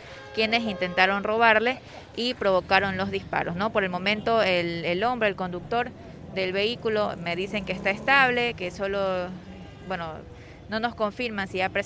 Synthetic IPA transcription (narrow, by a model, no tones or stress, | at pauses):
kje̞ne̞sint̪e̞nt̪aɾo̞nro̞β̞aɾle̞ | ipɾo̞βo̞kaɾo̞nlo̞zðispa̰ɾo̞sno̞po̞ɾe̞lmõ̞mẽ̞nt̪o̞elelo̞mbɾe̞eːlko̞nd̪uk̚t̪o̞ɾ | d̪e̞lβe̞ikulo̞me̞ðise̞ŋkeest̪aest̪aβle̞keso̞lo̞ | bwe̞no̞ | no̞no̞sko̞ɱfiɾmansiapɾe